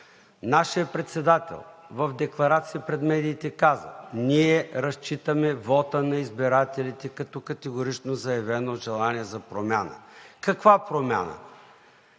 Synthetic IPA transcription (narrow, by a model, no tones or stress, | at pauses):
naʃijəpɾɛt̪sɛd̪at̪ɛ̰lˠvɐvd̪ɛklˠɐɾat̪siipɾɛd̪mɛd̪iːt̪ɛkazə̰niɛɾɐst͡ʃit̪əmɛvɔt̪ənɐizbiɾat̪ɛlʲit̪ɛkɐt̪ɔkɐt̪ɛɡoɾit͡ʃnozɐjɐvɛnoʒɛlˠaniɛzɐpɾomʲjanə̰kɐkvapɾomʲa̰nə̰